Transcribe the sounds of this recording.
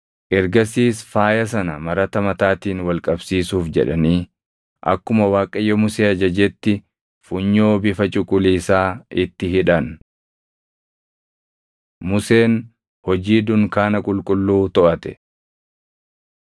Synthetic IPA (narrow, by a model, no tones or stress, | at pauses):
ʔɛɾɡɐsiːsfaːjɐs̬ɐnɐmɐɾɐt̪ɐmɐt̪aːt̪iːnwɐlkʼɐbsiːsuːfd͡ʒɛ̰ᶑɐniː | ʔɐ̰kːʊmɐwaːkʼːɐjːɔmʊseːɐd͡ʒɐd͡ʒɛt̪ːɪ | fʊɲːo̞ːbɪfɐt͡ʃʼʊkʼʊliːsaːɪt̪ːɪɦɪᶑɐn | mʊse̞ːn | hɔd͡ʒiːd̪ʊŋkaːnɐkʼʊlkʼʊlːuːt̪ɔʔɐt̪ɛ̥